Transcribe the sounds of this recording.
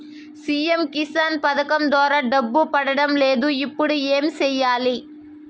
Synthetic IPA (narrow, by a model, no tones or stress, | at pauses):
siːɛmkɪsaːnpɐðɐkːɐmd̪oːɾɐɖɐbːɯpɐɽɐɽɐmleːðɯɪpːɔɽɯeːmsɛjːaːli